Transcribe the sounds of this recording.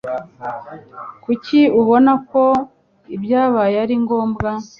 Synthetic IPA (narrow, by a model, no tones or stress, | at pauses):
kuciuβo̞nako̞ | ibjaːβajeaɾiŋɡo̞ːmbɡa